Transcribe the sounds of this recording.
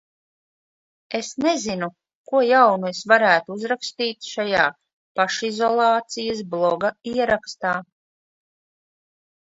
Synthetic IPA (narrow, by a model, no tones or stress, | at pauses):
esnezinu | kuɔjawnuesvaɾæːt̪uuzɾakst̪iːt̪ʃajaː | paʃizɔlˠɑːt̪sijas̬blˠɔɡaiɛɾakst̪aː